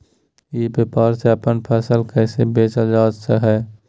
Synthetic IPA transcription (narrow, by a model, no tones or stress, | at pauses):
ebjeːpaːɾseəpənpʰɛːsəlkɛːsebeːt͡ʃad͡ʒaːd͡ʒseɦɛː